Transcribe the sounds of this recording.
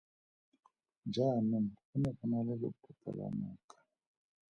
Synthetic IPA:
nd͡ʒʱanɔmunɛfɔnalɛlo̰pʰutʰa̰la̰mukḁ

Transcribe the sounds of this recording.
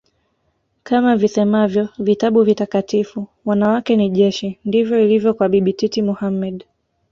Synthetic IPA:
kamavisɛmavjɔvitaɓuvitakatifuwanawakɛniʄɛʃindivjɔilivjɔkwaɓiɓititimuhamɛɗ

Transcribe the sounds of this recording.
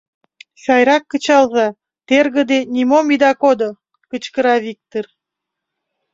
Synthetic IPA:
ʃɑjɾɑkːət͡ɕɑlzɑ | t̪erɣə̆d̪enʲimomid̪ɑkod̪o | kət͡ɕkəɾɑβik̚t̪or

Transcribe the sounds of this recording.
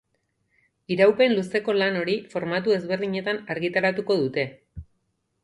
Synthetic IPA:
iɾawpe̞nluse̞ko̞lano̞ɾifo̞ɾmat̪ue̞zβe̞ɾðiɲe̞t̪anaɾɣit̪aɾat̪uko̞ðut̪e̞

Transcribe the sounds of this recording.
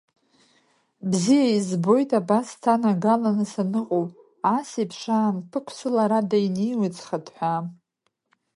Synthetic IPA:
bzijaizbo̞jtʼabastʰanaɡalanɨsanɨqʼowʼ | asepʰʂaːmpʰɨkʷʰsɨlaɾadajnejwɨt͡sʼχadħʷa

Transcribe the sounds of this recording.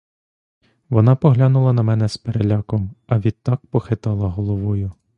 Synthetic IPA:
ʋɔnɑpɔɦlʲanʊlˠɐnɐmɛnɛspeɾelʲɑkɔmɐʋʲid̪̚t̪ːɑk̚pɔxɪt̪ɑlˠɐɦɔlˠɔʋɔjʊ

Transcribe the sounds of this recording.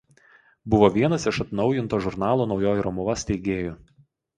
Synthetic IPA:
bʊʋoːʋʲiɛnɐsɪʃɐt̪nɒʊjɪnt̪oːʒʊɾnɑːlˠoːnɒʊjoːjɪɾɐmʊʋɐsʲt̪ʲɛɪɡʲeːjʊ

